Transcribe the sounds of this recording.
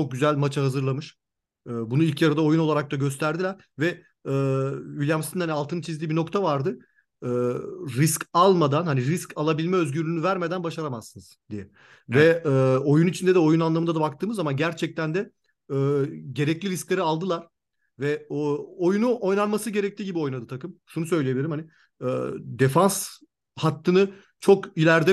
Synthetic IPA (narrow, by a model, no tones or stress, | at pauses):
t͡ʃʰo̞k̚ɟyzælʲmat͡ʃʰaɦazɯɾlˠamɯʃ | ɯːbunuilʲcjaɾɯd̪ao̞junolˠaɾak̚t̪aɟø̞st̪ʰæɾd̪ilʲæɾ | vɛ | ɛːvilʲjamst̪ʰinhanialˠt̪ʰɯnɯt͡ʃʰizd̪iːbino̞kt̪ʰavaɾd̪ɯ | ɯːɾiscʰalˠmad̪anhaniɾiscalˠabilʲmɛø̞zɟyɾlʲynyvæɾme̞d̪ænbaʃaɾamazsɯnɯz̥d̪̥ijɛ | vɛɛːo̞junit͡ʃʰind̪ɛd̪ɛo̞junanlˠamɯad̪abakt̪ʰɯːmɯzːamanɟæɾt͡ʃʰɛc̚t̪ʰænd̪ɛ | ɛːɟe̞ɾɛclʲiɾisklʲeɾialˠd̪ɯlˠaɾ̥ | vɛ | ojunuʔo̞jnanmasɯɟe̞ɾɛc̚lʰʲiːɟibio̞jnad̪ɯt̪ʰakɯmʃunusø̞jlʲijeilʲiɾimhani | ɛːd̪efans | hat̪ːɯnɯ | t͡ʃʰo̞kilʲæɾd̪ɛ